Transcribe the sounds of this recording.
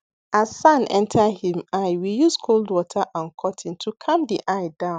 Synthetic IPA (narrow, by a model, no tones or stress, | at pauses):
azsãnʔɛ̰̃ntʰahĩmaɪwijuskʰoldwɔtʰaʔãnkʰɔtʰĩntʰukʰãmdiʔaɪdãʊ̃n